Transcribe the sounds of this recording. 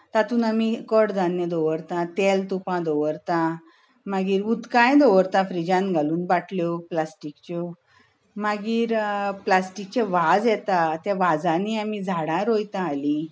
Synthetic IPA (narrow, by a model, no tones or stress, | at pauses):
t̪at̪uːnamikəʈd͡z̪anjəd̪ɔʋəɾt̪ãt̪elt̪upãd̪ɔʋəɾt̪ã | maɡiːɾut̪kãjd̪ɔʋəɾt̪ãfɾid͡ʑãnɡʱaluːnbaʈʰljɔplasʈikt͡ɕɔ | maɡiːɾplasʈik̚t͡ɕẽʋad͡zjɛt̪at̪ɛ̃ʋad͡zãniamid͡zʱaɽãɾojt̪ãːli